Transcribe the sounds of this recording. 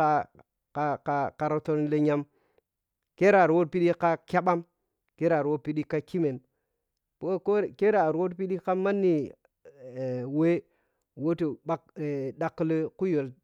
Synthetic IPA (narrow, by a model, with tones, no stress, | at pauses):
a˦ | ka˨ka˨ka˨ɾo˦to˦nle˦ɲa˦m | ke˦ɾa˨ɾwo˦t̚pi˦ɗi˦ka˦kʲa˦ɓa˦m | ke˦ɾa˨ɾo˦pi˦ɗi˦ka˦ki˦me˨n | po˦ko˦ke˦ɾa˨ɾwo˦tpi˦ɗi˦ka˦ma˦nːi˨ | we˦ | wo˦to˨ba˦kda˨kːlku˦jo˨l